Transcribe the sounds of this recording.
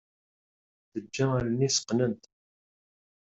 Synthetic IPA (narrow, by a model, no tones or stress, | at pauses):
ðəd͡ʒːæɾnisə̥qːnənt̪